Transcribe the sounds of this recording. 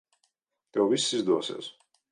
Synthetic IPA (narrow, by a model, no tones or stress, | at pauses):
t̪ɛwvisːizd̪uɔsḭːs